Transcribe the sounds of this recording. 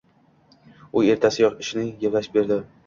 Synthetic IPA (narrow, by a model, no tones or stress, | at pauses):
ʊe̞ɾt̪ʰasɪjɒqɪʃɪnɪjeplaʃbe̞ɾd̪ɪ